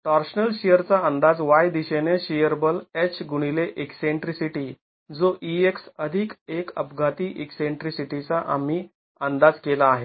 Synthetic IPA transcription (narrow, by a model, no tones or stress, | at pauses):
ʈaɾɕənəlɕejəɾt͡saənd̪ad͡zʋajd̪iɕeneɕijəɾbəlet͡ɕɡuɽ̃ileʔekseɳʈɾisiʈi | d͡zoʔieksəd̪ʱikekə̰pɡʱat̪iːʔekseɳʈɾisiʈit͡saʔa̰m̤iː | ənd̪ad͡zkelaːɦe